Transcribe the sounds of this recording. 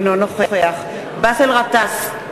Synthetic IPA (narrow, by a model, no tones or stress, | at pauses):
nonoχeχeaχ | baselʁat̪as